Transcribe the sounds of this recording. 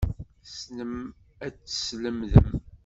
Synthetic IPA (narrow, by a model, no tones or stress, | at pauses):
snəm | æt͡sːsləmðəm